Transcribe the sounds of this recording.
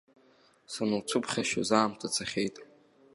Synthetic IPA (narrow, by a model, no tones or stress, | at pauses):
sanɨwt͡sʰupʰχʲaʃa̰zaːmtʰat͡sʰaχʲejtʼ